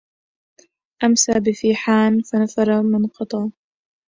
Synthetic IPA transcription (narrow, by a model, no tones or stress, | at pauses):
ʔamsaːbɪfiːħaːnfanafɑɾˤɑmɪnqɑt̪ˤɑː